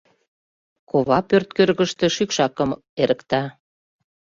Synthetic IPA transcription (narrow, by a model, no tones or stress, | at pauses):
koβɑpørt̪̚kørɣəʃt̪e̽ʃykʃɑkəm | eɾə̆kt̪ɑ